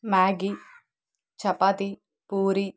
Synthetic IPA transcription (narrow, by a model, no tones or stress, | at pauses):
maːɡi | t͡ʃɐpat̪i | puːɾi